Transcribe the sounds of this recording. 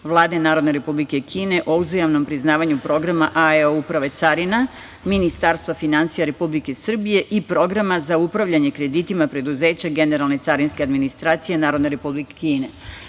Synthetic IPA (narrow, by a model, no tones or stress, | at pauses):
ʋlˠaːd̪e̞naːɾod̪ne̞ɾepublike̞kʰiːne̞ʔo̞uzajamno̞mpɾiznaːʋaɲupɾo̞ɡɾamaʔaeoupɾaʋe̞t̪saɾina | minist̪aɾst̪ʋafinansijaɾe̞publike̞sr̩bije̞ʔipɾo̞ɡɾamazaupɾaʋʎaɲe̞kɾe̞d̪it̪imapɾe̞d̪uze̞ːt͡ɕaɡe̞ne̞ɾalˠne̞t̪saɾinske̞ad̪minist̪ɾaːt̪sije̞naːɾo̞d̪ne̞ɾe̞publikekiːne